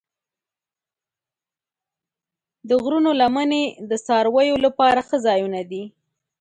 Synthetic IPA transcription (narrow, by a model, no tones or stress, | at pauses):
d̪əɣɾunolamaned̪əsɑɾwəjolapɑɾaxəzɑjunad̪i